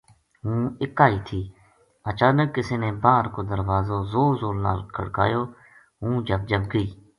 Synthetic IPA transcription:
ɦũːɪkaːiːt̪ʰiː | ət͡ʃaːnəkːɪseːnẽːbaːɾkoːd̪əɾʋaːzoːzoːzoːlna̰ːlkʰə̰ɽka̰ːjoː | ɦũːd͡ʒəb̚d͡ʒəbɡəiː

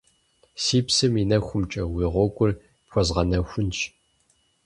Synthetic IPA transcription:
siːpsɨminɐxʷʊmt͡ʃʼɐwiʁʷɔkʷʼʊr | pxʷɔzʁɐnɐxʷʊnt͡ʃ

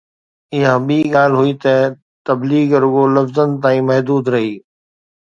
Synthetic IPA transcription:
ɪjãːɓiːɠaːlɦʊiːt̪ɐ | t̪ɐbliːɡɾʊɡolɐfzən̆t̪ãːĩːmɐɦd̪uːd̪ɾɐɦiː

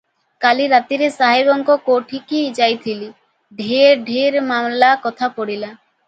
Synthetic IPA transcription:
kaliɾat̪iɾesaɦibɔŋkɔkoʈʰikid͡ʒajt̪ʰili | ɖʱiɖʱiɾmamlakɔt̪ʰapɔɽila

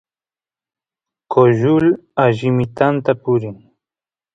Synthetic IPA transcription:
koʒʊl | aʒɪmɪt̪ant̪apʊɾɪŋ

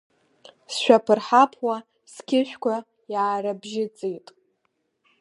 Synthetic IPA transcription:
sʃʷᶣapʰɨrħapʰwa | skʲʰɪʃʷᶣkʷʰa | jaːɾabʒɪt͡sʼejtʼ

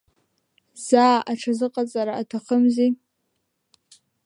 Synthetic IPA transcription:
z̥aːaʈ͡ʂʰazɨqʼat͡sʼaɾaːtʰaχəmzi

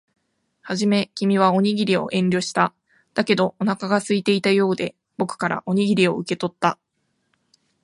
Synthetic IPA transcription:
haʑime̞kʲimʲiβ̞ao̞ɲ̟iɡʲiɾʲio̞̰ʔẽ̞nɾʲo̞ɕi̥t̪a | d̪̥ake̞d̪o̞ʔonakaɡasɨit̪e̞it̪ajo̞ːd̪e̞ | b̥o̞kɯ̟̥kaɾa̰ʔo̞ɲ̟iɡʲiɾʲio̞ɯke̞t̪o̞t̪ːa

